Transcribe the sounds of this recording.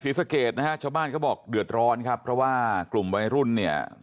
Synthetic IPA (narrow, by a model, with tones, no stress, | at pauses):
siː˨˩˦sa˧keː˨˩t̪̚na˦˥kʰa˦˥t͡ɕʰaː˥˩baː˥˩nkɔː˥˩bɔː˨˩k̚dɯ˨˩ət̪̚ɾɔː˦˥nkʰa˦˥pʰːɾɔ˦˥waː˥˩klu˨˩mwa˧jɾu˥˩nːi˥˩ɐ